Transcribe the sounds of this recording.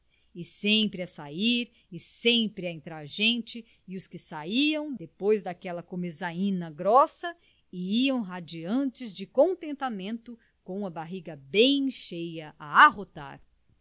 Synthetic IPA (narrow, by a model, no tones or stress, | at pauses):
ɪsẽpɾɪɐsaiɾ | ɪsẽpɾɪaẽnt̪ɾaɾʒẽnt͡ʃɪ | ɪʊskɪsaiɐ̃w̃d̪epojzd̪akɛlɐkomezaĩnɐɡɾɔsɐ | ɪiɐ̃w̃ɦad͡ʒiɐ̃nt͡ʃɪzd͡ʒɪkõnt̪ẽnt̪amẽnt̪ʊ | kõũmɐbaɦiɡɐbẽj̃ʃejɐʔaaɦot̪a̰ɾ